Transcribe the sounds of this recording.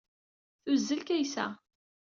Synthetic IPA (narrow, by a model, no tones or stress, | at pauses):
θuzːəlkæjsæ̰